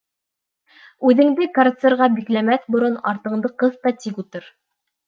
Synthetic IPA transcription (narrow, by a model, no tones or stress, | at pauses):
ʉðɘ̆ŋd̪ɘkɐrt̪seɾʁɑbiklæmæθbŏɾɤnɑɾt̪ɤ̆ɴd̪ɤqɤðt̪ɑt̪ikut̪ɤɾ